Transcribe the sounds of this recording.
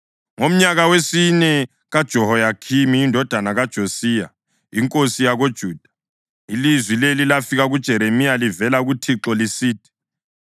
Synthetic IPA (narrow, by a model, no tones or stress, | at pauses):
ŋom̩ɲaɣawesinɛ | ɣad̥ʒ̥ʱɔɦɔjakʰimiːndʱɔd̥ʱanaɣad̥ʒ̥ʱosiːja̰ | iŋkʼosijaɣod̥ʒ̥ʱuːd̥ʱḁ | ilizwilelilafiɣaɣud̥ʒ̥ʱɛɾemijalivɛlaɣutʰiǁɔlisiːd̥ʱi̥